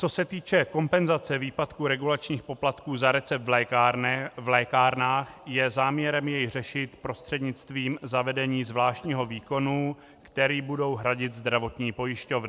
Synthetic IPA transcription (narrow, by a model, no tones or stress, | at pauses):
t͡so̞sɛt̪iːt͡ʃɛko̞mpɛnzat͡sɛviːpat̪kuɾɛɡulat͡ʃɲiːxpo̞plat̪kuːzaɾɛt͡sɛp̪̚vlɛːaɾvlɛːkaːɾnaːxjɛzaːmɲɛɾɛmjɛjr̝ɛʃɪt̪pɾost̪r̥ɛdɲɪt͡st̪viːmzavɛdɛɲiːzvlaːʃcɲiːɦo̞viːko̞nu | kt̪ɛɾiːbudo̞wɦɾaɟɪt̪zd̪ɾavo̞t̪ɲiːpo̞jɪʃco̞vn